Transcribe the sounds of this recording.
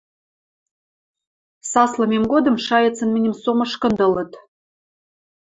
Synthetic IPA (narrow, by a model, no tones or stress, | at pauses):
sɑslɤ̆mʲemɡod̪ɤ̆mʃɑjət͡sə̆nmɘ̆nʲəmsomɤ̆ʃkɤ̆nd̪ɤ̆lə̆t̪